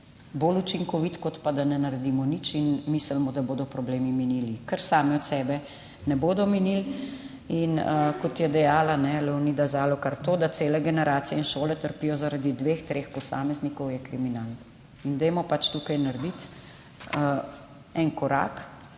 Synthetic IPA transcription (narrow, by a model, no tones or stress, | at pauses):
boːlut͡ʃiŋkɔʋit̪kɔt̪pad̪anɛnaɾɛd̪imɔnit͡ʃinmiːsəlmɔd̪aboːd̪ɔpɾɔbleːmiminilikəɾsaːmiɔt̪sɛːbɛ | nɛboːd̪ɔminil | inəkɔt̪jɛd̪ɛjaːlanɛlɛwnid̪azaːlɔkaɾt̪oːd̪at̪seːlɛɡɛnɛɾaːt̪sijɛinʃoːlɛt̪əɾpiːjɔzaɾad̪id̪ʋeːxt̪ɾeːxpɔsaːmɛznikɔwjɛkɾiminaːln | ind̪ɛjmɔpat͡ʃt̪ukajnaɾd̪it̪ː | ɛnkɔɾa̰ːk